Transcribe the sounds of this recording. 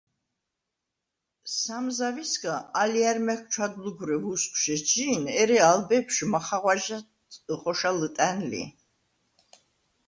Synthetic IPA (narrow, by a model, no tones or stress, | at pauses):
samzavisɡaaliaɾmɛk̚ʰt͡ʃʰwad̪luɡuɾɛvuskʷʼʃɛd͡ʒinɛɾɛalbɛpʃmaχaʁwaʒat | qʼɔʃalət̪ʼænlḭ